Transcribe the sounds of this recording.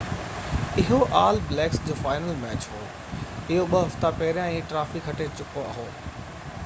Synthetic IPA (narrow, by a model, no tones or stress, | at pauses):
ɪɦoʔaːlblɛːksd͡ʑoːfaːɪnəlmɛːt͡ɕɦoː | ɪɦoɓɐɦɐft̪apɐɦɪɾijãĩːʈɾaːfikʰːɐʈʰet͡ɕʊkoɐ̰ɦoː